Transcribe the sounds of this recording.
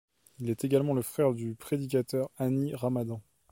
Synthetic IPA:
ilɛt̪eɡalmɑ̃ləfχɛʁd̪ypχed̪ik̬at̪œʁaniʁamad̪ɑ̃

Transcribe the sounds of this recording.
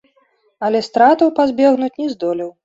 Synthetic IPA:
ɐlʲɛst̪ɾat̪ɐwpazʲbʲɛɣnut͡sʲnʲɛzd̪ɔlʲiw

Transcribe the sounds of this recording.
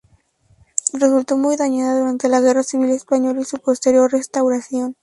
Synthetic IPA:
re̞sult̪o̞mujðaɲaðaðuɾant̪e̞laɣ̞e̞rasiβ̞ile̞spaɲo̞lisupo̞st̪e̞ɾjo̞rre̞st̪awɾasjo̞n

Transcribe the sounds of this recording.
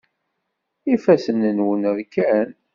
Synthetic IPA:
ifæsənənwənəɾkæn

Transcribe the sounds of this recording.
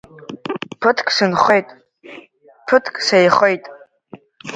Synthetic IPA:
pʰɨtʰkʼsɨnχejtʼ | pʰɨtʰkʼsejχejtʼ

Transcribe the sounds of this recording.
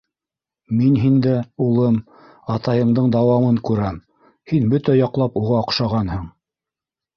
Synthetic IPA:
minɦind̪æulˠɤm | ɑt̪ɑjɤ̆ɴd̪ɤɴd̪ɑwɑmɤŋkʉɾæm | hinbɵt̪æjɑqlˠɑpuʁɑŏqʃɑʁɑnhɤɴ

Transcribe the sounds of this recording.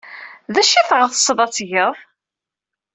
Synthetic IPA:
ðæʃiθʁəθə̥sˤːðˤɑt͡sːʝəðˤ

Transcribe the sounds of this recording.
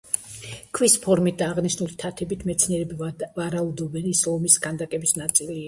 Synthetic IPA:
kʰvwispʰɔɾmit̪̚d̪aːʁniʃnulit̪ʰat̪ʰɛbit̪ʰmɛt̪sʰniɛɾɛbvaɾaud̪ɔbɛnisɔmisɡand̪akʼɛbisnat̪sʼilia

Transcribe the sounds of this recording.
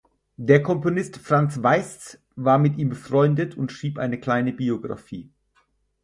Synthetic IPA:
deːɐkʰɔmponɪstfʁ̥ant͡sv̥aɪs | vaːɐmɪtʔiːmbəfʁ̥ɔʏndətʰʊntʃʁ̥iːpʔaɪnəkl̥aɪnəbioɡʁa̰fḭː

